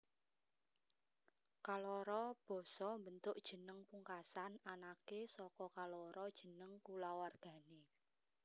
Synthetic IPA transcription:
kalɔɾɔb̥ɔ̤sɔmbənt̪ʊʔd̥ʒ̥ə̤nəŋpuŋkasananakesɔkɔkalɔɾɔd̥ʒ̥ə̤nəŋkulawarɡ̥a̤ne

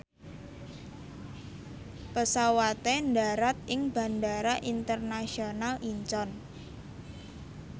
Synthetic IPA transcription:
pəsawat̪enɖa̤ɾat̪̚ɪŋb̥a̤ndaɾaʔint̪ərnasionalʔiɲt͡ʃɔn

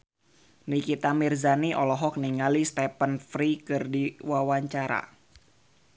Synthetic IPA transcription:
nikit̪amirzaniʔɔlɔɦɔk̚niŋalist̪ɛpənfɾikɨrdiwawaɲt͡ʃaɾa̰

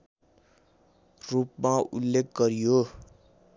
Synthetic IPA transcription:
rup̚maṵlːekɡʌɾijo

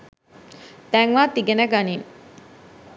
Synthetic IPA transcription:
t̪æŋʋaːt̪iɡenəɡanin

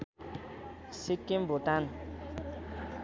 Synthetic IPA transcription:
sikːimbʱot̪an

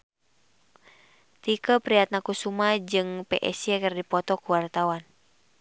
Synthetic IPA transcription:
t̪ikəpɾiat̪̚nakusumad͡ʒɨŋpɛ̰ʔɛsijɛkərdipɔt̪ɔkuwart̪awan

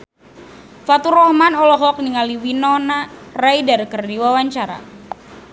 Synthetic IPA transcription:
fat̪uɾɔhmanɔlɔɦɔk̚niŋaliwinɔnarajdarkərdiwawaɲt͡ʃaɾa̰

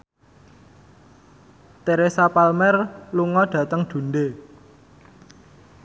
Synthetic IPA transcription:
t̪eɾesapalmɛrluŋɔɖ̥ä̤t̪əŋɖ̪̥ṳnde

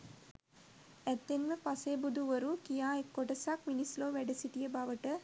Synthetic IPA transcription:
ɛt̪ːenʋəpaseːbud̪ʱuʋəɾukijaːekːoʈɐsakminisloːʋɛɖɐsiʈijəbaʋəʈə

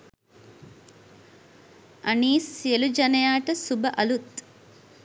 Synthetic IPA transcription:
ɐniːselud͡ʒɐnɐjaːʈɐsubɐʔɐlut̪

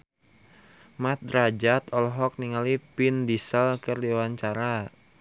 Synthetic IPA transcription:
mat̪̚rad͡ʒat̪ɔlɔɦɔk̚niŋalipindisəlkɨrdiwaɲt͡ʃaɾa

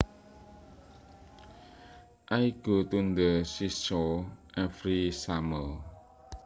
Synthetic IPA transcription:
ʔaiɡ̥ot̪und̪əsisɔɛfɾisaməl

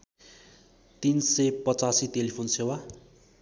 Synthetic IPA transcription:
t̪insepʌt͡sasit̪elipʰonsewa

